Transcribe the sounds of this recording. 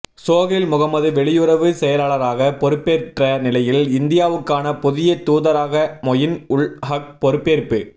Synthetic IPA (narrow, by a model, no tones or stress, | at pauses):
soːɣɪlmʊɣɐmɐðɯʋɛɭɪjɯɾɐʋɯsɛjɐlaːɭɐɾaːɣɐpɔɾɯpːeːrʈrɐnɪlɐjɪlɪnd̪ɪjaːʋɯkːaːnɐpɔðɪjɐt̪ːuːðɐɾaːɣɐmɔjɪnʊɭhɐk̚pɔɾɯpːeːɾpɯ